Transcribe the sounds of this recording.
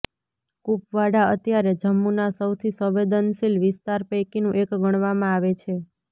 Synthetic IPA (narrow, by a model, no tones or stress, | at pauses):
kupʋaɽaət̪jaɾed͡ʒəmːunasəwt̪ʰisəʋed̪ənsilʋɪst̪aɾpəkinũʔekɡʱəɽ̃ʋamãaʋet͡ʃʰe